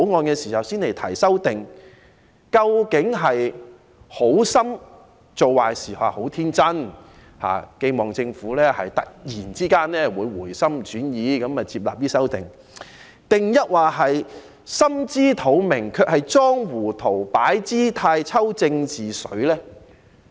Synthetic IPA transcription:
o˨˥wŋɔː˧nkɛː˧siː˨˩hɐ˨wsiː˥nle˨˩jt̪ʰɐ˨˩jsɐ˥wt̪ɪ˨ŋ | kɐ˧wkɪ˨˥ŋɦɐ˨j | ho˨˥wsɐ˥m | t͡so˨wwaː˨˩jsiː˨˩ha̰ː˨˩ho˨˥wt̪ʰiː˥nt͡sɐ˥n | ha̰ː˨ke˧jmɔː˨˩ŋt͡sɪ˧ŋfuː˨˥lɛː˥hɐ̰˨jt̪ɐ̰˨k̚jiː˨˩nt͡siː˥kaː˥nlɛː˥wuː˨˧jwuː˨˩jsɐ˥mt͡ʃyː˨˥njiː˨˧kɐ˨˥mɐː˨˧t͡siː˧p̚la̰ː˨p̚t̪iː˥sɐ˥wt̪ɪ˨˩ŋ | t̪ɪ˨ŋjɐ˥t̚waː˨˩ɦɐ˨j | sɐ˥mt͡siː˥t̪ʰo˨˥wmɪ˨˩ŋkʰœː˧k̚hɐ˨jt͡sɔː˥ŋwuː˨˩t̪ʰo˨˩wpaː˨˥jt͡siː˥t̪ʰaː˧jt͡sʰɐ˥wt͡sɪ˧ŋt͡siː˨sɵ˨˥ɥlɛː˥

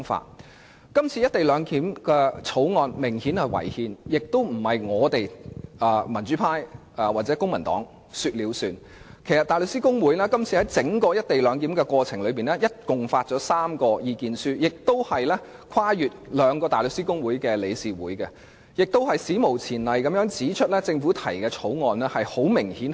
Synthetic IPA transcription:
ŋfa̰ː˧t̚ | kɐ˥mt͡sʰi˨˧jɐ˥t̚t̪e˨jlœː˨˧ŋkiː˨˥mkɛː˧t͡sʰo˨˥wŋɔː˧nmɪ˨˩ŋhi˨˥nhɐ˨˧jwɐ̰˨˩jhiː˨˧njɪ˨k̚t̪o˥wm̩˨˩hɐ˨jŋɔː˨˧t̪e˨jɐː˨˧mɐ˨˩nt͡ʃyː˨˥pʰaː˥j | waː˨t̚t͡sɛ˨˥kʊ˥ŋmɐ˨˩nt̪ɔ̰ː˨˥ŋ | sy˧t̚liː˨˧wsyː˨˧n | kʰe˨˩jsɐ˨t̪aː˨jlɵ˧ksiː˥kʊ˥ŋwuː˨˥jlɛː˥kɐ˥mt͡sʰiː˨hɐ˨˥jt͡sɪ˨˥ŋkɔː˧jɐ˥t̚t̪e˨jlœː˨˧ŋk̪iː˨˥mkɛ˧kʷɔː˧t͡sʰɪ˨˩ŋlɵ˨˧ɥpiː˨nɛː˥jɐ˥t̚kʊ˨ŋfaː˧t̚t͡ʃɔː˨˥saː˥mkɔː˧jiː˧kiː˨nsyː˥jɪ˨k̚t̪o˥whɐ˨jlɛ˥kʷʰwaː˥jyː˨t̚lœː˨˧ŋkɔː˧t̪aː˨˩lɵ˨k̚siː˥kʊ˥ŋwuː˨˥jkɛː˧le˨˧jsiː˨wuː˨˥jkɐ˧ | jɪ˨k̚t̪o˥whɐ˨jsiː˨˥mo˨˩wt͡sʰiː˨˩nlɐ˨jkɐ˨˥mjœː˨˥ŋt͡siː˨˥t͡ʃʰɵ˥t̚lɛː˥t͡sɪ˧ŋfuː˨˥t̪ʰɐ˨˩jkɛ˧t͡sʰo˨˥wŋɔː˨˧nlɛ˥hɐ˨jho˨˥wmɪ˨˩ŋhiː˨˥n

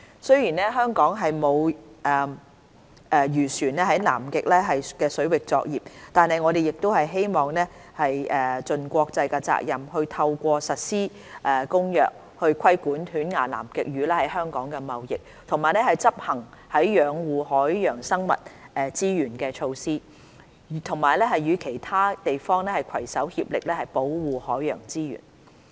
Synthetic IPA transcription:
sɵ˥ɥjiː˨˩nɛː˥ɦœː˥ŋkɔː˨˥ŋɦɐ˨jmo˨˧wʔɛ˨ | ʔɛ˨jyː˨˩syː˨˩nlɛː˥ɦɐ˨˥jna̰ː˨˩mkɪ˨k̚lɛː˥ɦɐ˨jkɛː˧sɵ˨˥ɥwɪ˨k̚t͡sɔ̰ː˧k̚jiː˨˩p̚t̪aː˨nɦɐ˨jŋɔː˨˧d̪e˨jɪ˨k̚t̪o˥whɐ˨jɦe˥jmɔː˨˩ŋnɛː˥ | hɐ˨jʔɛː˨t͡ʃɵ˨nkʷɔː˧k̚t͡sɐ˧jkɛ˧t͡sa̰ː˧k̚jɐ˨mhɵ˧ɥt̪ʰɐ˧wkʷɔː˧sɐ˨t̚siː˥ | ʔɛː˨˩kʊ˥ŋjœː˨k̚ | hɵ˧ɥkʷʰɐ˥jkuː˨˥nt̪ʰyː˨˥nŋaː˨˩la̰ː˨˩mkɪ˨k̚jyː˨˦lɛː˥hɐ˨˥jɦœː˥ŋkɔː˨˥ŋkɛ˧mɐ˨wjɪ˨k̚ | t̪ʰʊ˨˩ŋmaː˨jlɛː˥hɐ˨jt͡sɐ˥p̚hɐ˨˩ŋhɐ˨˥jːœː˨˧ŋwuː˨˩hɔː˨˥jjœː˨˩ŋsɐ˥ŋmɐ̰˨t̚ɛː˨˧t͡siː˥jyː˨˩nkɛː˧t͡ʃʰo˧wsiː˥˨ | t̪ʰʊ˨˩ŋmaː˨˩jlɛː˥ɦɐ˨jːyː˨˧kʰe˨˩jt̪ʰaː˥t̪e˨jfɔː˥ŋnɛː˥hɐ˨jkʷʰɐ˨˩jsɐ˨˥whiː˧p̚lɪ˨k̚lɛː˥hɐ˨jpo˨˥wwuː˨˩hɔː˨˥jjœː˨˩ŋt͡siː˥jy̰ː˨˩n

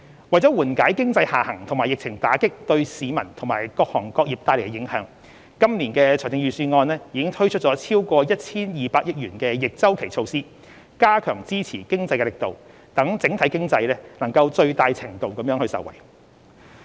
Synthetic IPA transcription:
wɐ˨˩jt͡sɔː˨˥wuː˨˩nkaː˨˥jkɪ˥ŋt͡sɐ˧jhaː˨˩hɐ˨˩ŋt̪ʰʊ˨˩ŋmaː˨˩jɪ˨k̚t͡sʰɪ˨˩ŋt̪aː˨˥kɪ˥k̚t̪ɵ˧ɥsiː˨˧mɐ˨˩nt̪ʰo˨˩maː˨˩jkɔː˧k̚hɔː˨˩ŋkɔː˧k̚jiː˨p̚t̪aː˧jle˨˩kːɛ˧jɪ˨˥ŋhœː˨˧˥ŋ | kɐ˥mniː˨˩nkɛː˧t͡ʃʰɔː˨˩t̪ɪ˧ŋjyː˨˧syː˧ŋɔː˧nlɛː˥jiː˨˧kɪ˥ŋt̪ʰɵ˥ɥt͡ʃʰɵ˥t̚t͡sɔː˨˥t͡sʰiː˥wkʷɔː˧jɐ˥t̚t͡sʰiː˥njiː˨˧paː˧k̚jɪ˥k̚ɥyː˨˩nkɛː˧jɪ˨k̚t͡sɐ˥wkʰe˨˩jt͡sʰo˧wsiː˥ | kaː˥kʰœː˨˩ŋt͡siː˥t͡sʰiː˨˩kɪ˥ŋt͡sɐ˧jkɛ˧lɪ˨k̚t̪o˨w | t̪ɐ˨˥ŋt͡sɪ˨˥ŋt̪ʰɐ˨˥jkɪ˥ŋt͡sɐ˧jlɛː˥nɐ˨˩ŋkɐ˧wt͡ʃɵ˧ɥt̪aː˧jt͡sʰɪ˨˩ŋt̪o˨wkɐ˨˥mjœː˨˧˥ŋhɵ˧ɥsɐ̰˨˩wɐ̰˨˩j

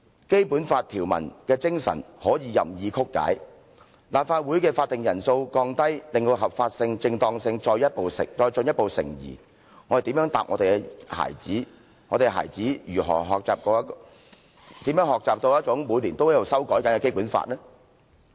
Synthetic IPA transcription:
ke˥jpuː˨˥nfaː˧t̚t̪ʰiː˨˩wmɐ̰˨˩nkɛː˧t͡sɪ˥ŋsɐ̰˨˩nhɔː˨˥jiː˨˧jɐ̰˨mjiː˨˧kʰʊ˥kːa̰ː˨˥j | laː˨p̚faː˧t̚wuː˨˥jkɛː˧faː˧t̚t̪ɪ˨ŋjɐ˨˩nso˧wkɔː˧ŋt̪ɐ˥jlɪ˨ŋt̪o˧ɦɐ˨p̚faː˧t̚sɪ˧ŋt͡sɪ˧ŋt̪ɔː˧ŋsɪ˧ŋt͡ʃɔː˧jɐ˥t̚po˨˧wsɪ̰˨ŋt͡sɔː˧jt͡ʃɵ˧njɐ˥t̚po˨wsɪ̰˨˩ŋjḭː˨˩ | ŋɔ˨˧de˨t̪iː˨˥mjœː˨˥ŋt̪aː˨p̚ŋɔ̰ː˨˧t̪e˨kɛ˧ha̰ː˨˩jt͡siː˨˥ | ŋɔː˨˧ɾe˨ɦa̰ː˨˩jt͡siː˨˥jyː˨˩ɦɔ̰ː˨˩ɦɔː˨k̚t͡saː˨p̚kɔː˨˧˥k | t̪iː˨˥mjœː˨˥ŋhɔː˨k̚t͡saː˨p̚t̪o˧wjɐ˥t̚t͡sʊ˨˥ŋmuː˨˧jli˨˩nt̪o˥whɛ˥jwsɐ˥wkɔː˨˥jkɐ˨˦nkɛ˧ke˥jpu˨˥nfa̰ː˧t̚lɛː˥

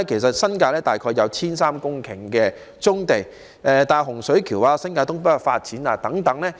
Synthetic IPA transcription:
kʰe˨˩jsɐ˨t̚sɐ˥nkaː˧lɛː˥t̪aː˨jkʰɔː˧jːɐ˨˧wt͡sʰiː˥nsaː˥mkʊ˥ŋkʰɪ˨˩ŋkɛː˧ | t͡sʊ˥ŋt̪e˨j | ʔɛː˨t̪aː˨˩ɦʊ˨˩ŋsɵ˨˥ɥkʰiː˨˩waː˧sɐ˥nkaː˧t̪ʊ˥ŋpɐ˥tfa̰ː˧t̚t͡siː˨˥naː˧t̪ɐ˨˥ŋt̪ɐ˨˥ŋlɛː˥

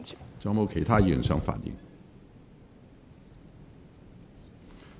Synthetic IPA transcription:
t͡sɔ˥ŋmo˧kʰe˨˩t̪ʰaː˥ji˨˩˨nsœ˧˥ŋfa̰ː˨˩njḭ˧˥ŋ

